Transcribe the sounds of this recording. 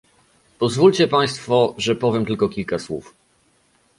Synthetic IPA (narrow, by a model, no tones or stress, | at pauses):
pɔzvulʲt͡ɕɛpaj̃st̪fɔʐɛpɔvʲjɛmt̪ɘlkɔkʲilkaswṵf